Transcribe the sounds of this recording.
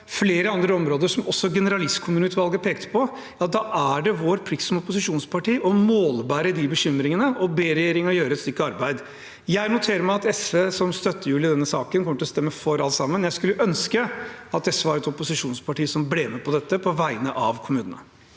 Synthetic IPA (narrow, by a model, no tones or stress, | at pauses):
fleːɾəɑnd̪ɾəɔmɾoːd̪əʂɔmɔsːɔɡɛnəɾɑlɪst̪kʰʊmʉːnʉːt̪ʋɑlˠɡəpʰeːkt̪ʰə̥pʰɔ | ɑt̪d̪ɑːʔæɖɛʋoːɾpʰɾɪssɔmɔpʊsɪʂuːnspʰɑʈiːʔɔmoːlbæːɾəd̪ibəɕʏmːɾɪŋənəʔɔbeːɾɛjeːɾɪŋjøːɾəɛt̪st̪ʏkːɑɾbæɪd̪ | jæɪnʊt̪ʰeːɾəɾmæɪɑt̪ɛsʋeːsɔmst̪œt̪ːəjʉːlɪd̪ɛnːəsɑːkənkʰɔməʈ̪ʰɪlɔst̪ɛmːəfɔɾɑlt̪sɑmːənjæɪskʉlːəʔœnskəɑt̪̚d̪ɛsʋɑɾɛt̪ɔpʊsɪʂuːnspʰɑʈiːsɔmbleːmɛpʰɔd̪ɛt̪ːəpʰɔʋæɪənəʔɑʋkʰʊmʉːnənə̰